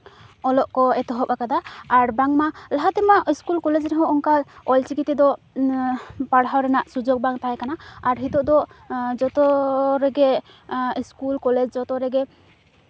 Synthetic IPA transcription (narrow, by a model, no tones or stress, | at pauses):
ɔlɔʔkɔɛt̪ɔɦɔpakad̪aaɾbaŋmalaɦat̪ɛmaʔiskulkɔled͡ʒɾɛɦɔ̃ʔɔŋkaɔlt͡ʃikit̪ɛd̪ɔ | paɽɦawɾɛnaʔsud͡ʒok̚baŋt̪ajkanaaɾɦit̪ɔʔd̪ɔd͡ʒɔt̪ɔɾɛɡɛ | iskulkɔlɛd͡ʒd͡ʒɔt̪ɔɾɛɡɛ